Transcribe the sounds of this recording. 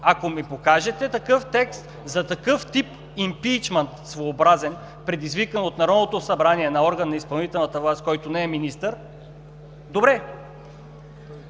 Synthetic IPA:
akomipokaʒɛt̪ɛt̪ɐkɤft̪ɛkst̪ | zɐt̪ɐkɤft̪ip | impit͡ʃmɛnt̪svoːbɾazɛn | pɾɛd̪izvikənot̪nɐɾɔnot̪osɐbɾaniɛnɐɔɾɡɐnːɐispɐlˠnit̪ɛlˠnət̪əvlˠast̪kɔjt̪onɛɛminist̪əɾ | d̪obɾɛ

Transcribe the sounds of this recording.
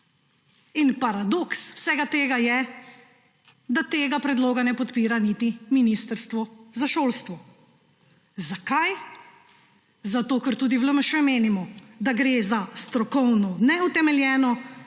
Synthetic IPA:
inpaɾad̪okswsɛɡat̪eːɡajɛ | d̪at̪eːɡapɾɛd̪loːɡanɛpɔt̪piːɾanit̪iminist̪əɾst̪ʋɔzaʃoːlst̪ʋɔ | zakaj | zat̪oːkəɾt̪uːd̪iʋləməʃɛmeːnimɔd̪aɡɾezast̪ɾɔkɔwnɔnɛut̪ɛmɛljɛːnɔ

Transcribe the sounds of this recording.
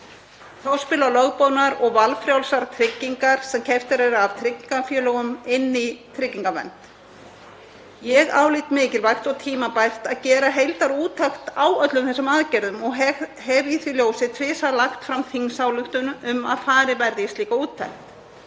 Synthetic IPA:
θawspɪːlalœɣpownaɾɔɣvalfɾjawlsaɾt̪ʰɾɪcːiŋkaɾ̥sɛmcʰɛft̪ɪɾɛɾavt̪ʰɾɪcːiŋkafjœːlœɣʏmɪnːit̪ʰɾɪcːiŋkavɛ̰nt̪ | jɛɣa̰ːwliːt̪mɪːcɪlvajxt̪ɔwt̪ʰiːmapajr̥t̪aðcɛːɾaɦejlt̪aɾuːt̪ʰːajxt̪awœt̪lʏmθɛsːʏmaðcɛɾðʏmɔɣhɛviθviljoːwsɪt̪ʰvɪːsaðlaxt̪fɾamθiŋsawlʏxt̪ʏnʏma̰ðfaːɾɪvɛɾðɪst̪liːkauːt̪ʰːajxt̪

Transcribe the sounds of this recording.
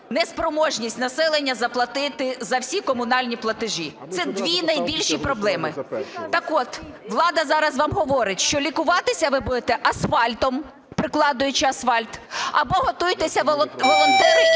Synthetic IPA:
nɛspɾɔmɔʒnʲisʲtʲnɐsɛlˠenʲːɐzɐplˠɐt̪ɪt̪ɪzɐwsʲikɔmʊnɑlʲnʲiplˠɐt̪ɪʒit̪sɛd̪ʋʲinɐjbʲilʲʃipɾɔblˠɛmɪt̪ɐkɔt̪ | ʋlˠɑd̪ɐzɑɾɐzʋɑmɦɔʋɔɾɪtʲʃt͡ʃɔlʲikʊʋɑt̪ɪsʲɐʋɪbud̪et̪ɛʔɐsfɑlʲt̪ɔm | pɾɪklˠɑd̪ʊjʊt͡ʃɪɐsfɑlʲt̪ɐbɔɦɔt̪ʊjt̪esʲɐʋˠʋɔlˠɔnt̪ɛɾɪ

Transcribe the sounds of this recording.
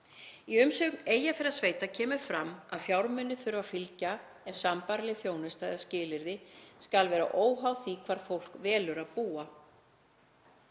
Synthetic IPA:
iʏmsʏːkneːjafɪɾaðsveːjt̪acʰɛːmʏɾ̥fɾamːaðfjawɾmʏnːʏθʏɾvafilca | ɛv̥sampaɾlɪθjoːwnʏst̪ajðascɪːlɪɾðɪskalvɛːɾa̰ʔoːwɦawθikʰvaːɾ̥fowl̥kvɛːlʏɾaðpuːa

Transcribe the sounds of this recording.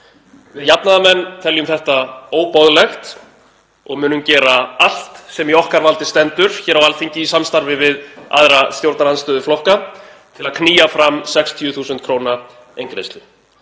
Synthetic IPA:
vɪðjapnaðamɛnːt̪ʰɛljʏmθɛht̪aoːwpɔðlɛxt̪ | ɔɣmʏːnʏmcɛːɾaal̥t̪sɛmiɔhkaɾvalt̪ɪst̪ɛnt̪ʏɾ̥çɛːɾawalθiɲcɪisamst̪aɾvɪvɪða̰ðɾast̪jowɾt̪naɾanst̪œːðʏflɔhka | t̪ʰɪlaðkʰniːjafɾamsɛkst̪ʰjʏθuːsʏnt̪̚kʰɾowna | ejŋkɾḛst̪lʏ

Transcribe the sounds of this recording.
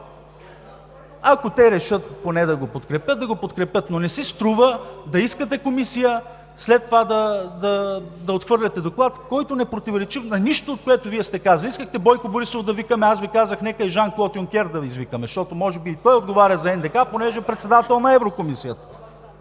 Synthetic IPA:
ɐkot̪ɛɾɛʃət̪̚ponɛd̪ɐɡopot̪kɾɛpʲjət̪d̪ɐɡopot̪kɾɛpʲjət̪nonɛsist̪ɾuvəd̪ɐiskət̪ɛkomisijə | slɛt̪ːovad̪ɐd̪ɐd̪ɐot̪xvɤɾlʲɐt̪ɛd̪oklˠat̪kɔjt̪onɛpɾot̪ivoɾɛt͡ʃifnɐniʃt̪oːt̪̚koɛt̪ʊviɛst̪ɛkazɐlʲiiskəxt̪ɛbɔjkʊboɾisovfd̪ɐvikəmɛasvikazəxnɛkəɛʒanklˠɔt̪jʊŋk̟ʲɛɾd̪ɐvizvikəmɛʃt̪ɔt̪omɔʒɛbiːt̪ɔjod̪̚ɡovaɾʲjəzɐɛnd̪ɛkaponɛʒɛpɾɛt̪sɛd̪at̪ɛlˠnɐɛvɾokomisijət̪ə̥

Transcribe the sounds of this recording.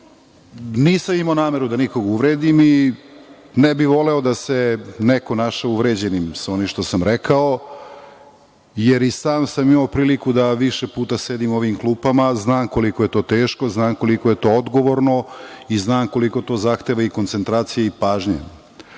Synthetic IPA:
niːsamimaonaːme̞ɾud̪aniko̞ɡuʋɾeːd̪imi | nɛbiʋo̞leod̪aseneko̞naʃauʋɾed͡ʑe̞nimsao̞nimʃt̪o̞samɾekao | jeɾisaːmsamimaopɾiːlikud̪aʋiʃepuːt̪ase̞d̪imo̞ʋimklˠuːpamaznaːmko̞likoje̞t̪o̞ːt̪eːʃko̞znaːmko̞liko̞je̞t̪o̞ːod̪ɡoʋoɾnoiznaːmko̞liko̞t̪o̞ːzaxt̪eʋaiko̞nt̪se̞nt̪ɾaːt̪sijaipaːʒɲḛ

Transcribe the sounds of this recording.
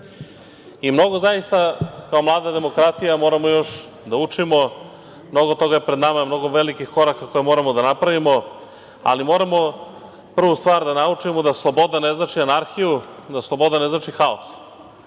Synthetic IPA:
imno̞ɡo̞zaist̪akao̞mlˠaːd̪ad̪e̞mo̞kɾat̪ijamo̞ːɾamo̞jo̞ʃ | d̪aut͡ʂimo̞ | mno̞ɡot̪o̞ɡajepɾe̞d̪namamno̞ɡo̞ʋe̞likixko̞ɾakako̞jemo̞ːɾamo̞d̪anapɾaʋimo̞ | a̰limo̞ːɾamo̞ | pr̩ʋust̪ʋaːɾd̪anaut͡ʂimo̞d̪aslˠo̞bo̞d̪ane̞znat͡ʃianaɾxijud̪aslˠo̞bo̞d̪ane̞znaːt͡ʃixaos

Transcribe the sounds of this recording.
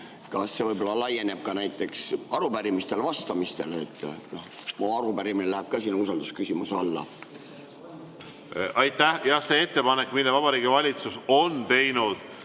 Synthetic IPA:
kɑsːe̞vɤjbo̞lːɑlɑjːe̞ne̞b̥̚kɑnæjt̪ːˑe̞ksɑɾupæɾimist̪e̞lvɑst̪ɑmist̪e̞let̪ːˑnoh | moɑɾubæɾiminelæhæb̥̚kɑsinːuus̬ɑld̪̥uskysimusɑlːɑ̰ | ɑjt̪ːˑæhjɑhse̞et̪ːe̞pɑnekːˑmilːevɑb̥ɑɾiːɡivɑlʲit̪susont̪e̞jnud̪̥

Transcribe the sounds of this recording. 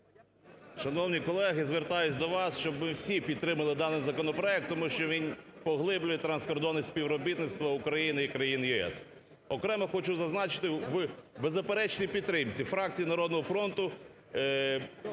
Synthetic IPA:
ʃɐnɔwnʲikɔlˠɛɦɪzʋert̪ɑjʊt͡sʲd̪ɔʋɑsʃt͡ʃɔbmɪwsʲipʲid̪̚t̪ːɾɪmɐlˠɪd̪ɑnɪjzɐkɔnɔpɾɔɛk̚t̪ːɔmuʃt͡ʃɔʋʲin | pɔɦlˠɪblʲʊjɛt̪ɾɐnskɔrd̪ɔnisʲsʲpʲiwɾɔbʲit̪nɪt̪st̪ʋɐʊkɾɐjinɪikɾɐjinjiɛ̰s | ɔkɾɛmɛxɔt͡ʃuzɐznɑt͡ʃɪ̥t̪ɪʋbezɐpeɾɛt͡ʃnʲipʲid̪t̪ːɾɪmt͡sʲifɾɑk̚t͡sʲijinɐɾɔd̪nɔɦɔfɾɔnt̪ʊ

